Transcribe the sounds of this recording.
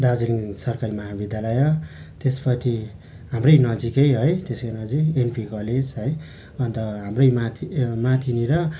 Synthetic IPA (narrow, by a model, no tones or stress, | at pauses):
ɖad͡ziliŋsʌrkaɾimʌɦabid̪jalʌjʌ | t̪espʌtʰi | ɦamrʌjnʌd͡zikʌjɦʌjt̪eskʌnʌd͡zienpʰikʌled͡zɦʌj | ʌnt̪ʌɦamrʌjmat̪ʰimat̪ʰiniɾʌ